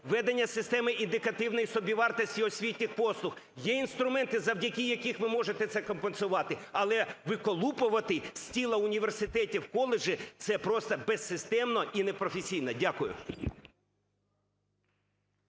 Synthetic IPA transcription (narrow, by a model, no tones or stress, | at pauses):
ʋɛd̪enʲːɐsɪst̪ɛmɪʔind̪ɪkɐt̪ɪwnɔjisɔbʲiʋɑrt̪ɐsʲtʲiɔsʲʋʲitʲnʲɪxpɔslˠʊx | jɛinst̪ɾʊmɛnt̪ɪzɐwdʲɐkʲijɐkʲixʋɪmɔʒet̪ɛt̪sɛkɔmpensʊʋɑt̪ɪɐlˠɛʋɪkɔlˠupʊʋɐt̪ɪsʲtʲilˠɐʊnʲiʋe̞rsɪt̪ɛtʲiwkɔlˠeʒɪt̪sɛpɾɔst̪ɐbɛsːɪst̪ɛmnɔʔinepɾɔfʲesʲijnɐdʲakʊjʊ̰